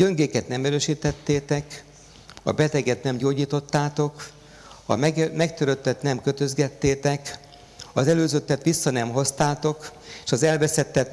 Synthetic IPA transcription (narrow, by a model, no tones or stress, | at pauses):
ɟøŋɡeːkɛt̪nɛmɛɾøːʃiːt̪ɛt̪ːeːt̪ɛk | ɒ̰bɛt̪ɛɡɛt̪nɛmɟoːɟiːt̪o̞t̪ːaːt̪o̞k | ɒ̰mɛmɛkt̪øɾøt̪ːɛt̪nɛmkø̞t̪ø̞zɡɛt̪ːeːt̪ɛk | ɒzɛløːzøt̪ːɛt̪ʋisːɒnɛmɦo̞st̪aːt̪o̞keːʃɒzɛlvɛsɛt̪ːɛt̪